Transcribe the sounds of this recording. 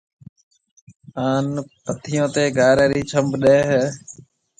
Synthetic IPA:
aːnpət̪ʰɪjõːt̪eːɡʱaːɾeːɾiːt͡ʃʰəmbɗeːɦ

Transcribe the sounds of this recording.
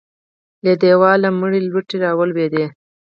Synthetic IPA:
led̪ewɑlaməɽilwəʈiɾɑwəlwed̪e

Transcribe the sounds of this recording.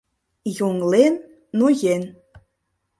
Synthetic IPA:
juŋlenː | ujen

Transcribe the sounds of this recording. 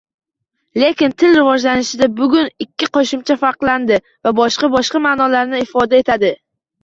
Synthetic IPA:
le̞kʲɪnt̪ʰɪlɾɪvɒd͡ʒlanɪʃɪd̪abʊɡʲʊnɪkʲːɪqɒʃɪmt͡ʃʰafaɾqlˠand̪ɪ | vabɒʃqɑbɒʃqɑmaːnɒlaɾnɪɪfɒd̪ae̞t̪ʰad̪ɪ

